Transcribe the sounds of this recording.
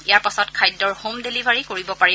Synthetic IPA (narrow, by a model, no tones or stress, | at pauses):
ijaɹpasɔtkʰajdːɔɹhomdelibʱaɹikoɹibɔpaɹi